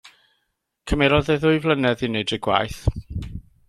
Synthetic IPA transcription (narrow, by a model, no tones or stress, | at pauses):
kʰəmɛɾɔðeðʊɨvlˠənɛðɪnɪdəɡwa̰jθ